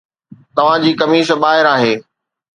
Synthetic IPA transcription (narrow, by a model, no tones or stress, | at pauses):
t̪ɐʋ̤ãd͡ʑiːkɐmiːsəbaːɦɪɾaːɦeː